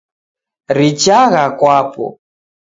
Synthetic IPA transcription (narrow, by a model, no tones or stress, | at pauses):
ɾit͡ʃaɣakwapɔ̰